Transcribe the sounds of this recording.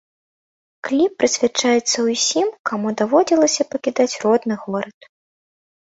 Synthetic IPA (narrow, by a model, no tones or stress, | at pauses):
klʲipːɾɨsʲvʲat͡ʂajɛt̪sːɐwusʲimkamud̪avɔd͡zʲilˠɐsʲɐpɐkʲid̪at͡sʲrɔd̪nɨɣɔɾɐt̪